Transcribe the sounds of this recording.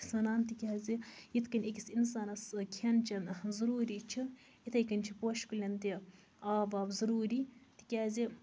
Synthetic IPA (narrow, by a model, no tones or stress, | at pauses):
sɐnaːnt̪ikʲaːzijit̪ʰkɐnʲekʲisinsaːnɐskʰɐnt͡ʃʰɐnzɐɾuːɾiːt͡ʃʰi | it̪ʰɐjkɐnʲt͡ʃʰipoʃkulʲɐnt̪i | aːʋaːbzɐɾuːɾiːt̪i̥kʲaːzi